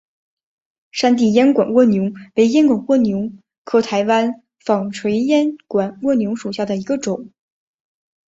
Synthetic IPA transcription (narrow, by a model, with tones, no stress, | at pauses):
ʂa˥nt̪̬i˥˩jɛ˥nkwa˨˩nwɔ˥˩njʊ˧˥ŋwe˧˥ɪjɛ˥nkwa˨˩nwɔ˥˩njʊ˧˥ŋ | kʰɤ˧˥t̪ʰa˧˥ɪwa˥n | fɑ˨˩ŋʈ͡ʂʰwe˧˥ɪjɛ˥nkwa˨˩nwɔ˥˩njʊ˧˥ŋʂu˨˩ɕja˥˩d̪ə˩i˧˥ɡə˧ʈ͡ʂʊ˨˩˦ŋ